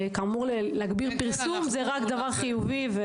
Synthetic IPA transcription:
kamuʁlelɛaɡbiʁpiʁsumzeʁakd̪avaʁχijuvive

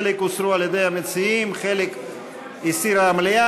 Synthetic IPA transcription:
lekusɾualjed̪ejhamet͡siimχelek | isiɾaːmlea

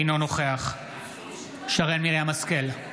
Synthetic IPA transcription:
no̞noχeaχ | ʃaʁelmileamaskel

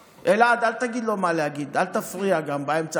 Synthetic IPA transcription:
eladaltaɡilomalaɡidaltafuɾijaɡambajimt͡ʃa

